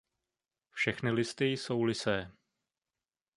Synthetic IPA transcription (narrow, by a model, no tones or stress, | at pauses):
fʃɛxnɪlɪst̪ɪso̞wlɪsɛː